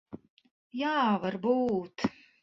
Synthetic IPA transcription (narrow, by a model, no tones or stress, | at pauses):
jaːvaɾbuːt̪